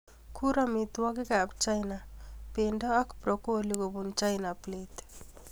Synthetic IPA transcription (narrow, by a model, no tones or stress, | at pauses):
kʰuɾɐmit̪wɔɡekapt͡ʃajnapeɳɖɐːkʰpɾokoliɡobunt͡ʃajnaplet̪